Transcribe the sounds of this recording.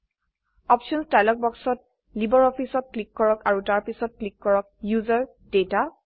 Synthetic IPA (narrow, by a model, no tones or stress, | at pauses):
ɔpʃɔnstajlɔk̚bɔksɔt̚ | libɔɹɔpʰisɔt̚klikːɔɹɔkaɹutaɹpisɔt̚klikːɔɹɔk̚juzɔɹ | deta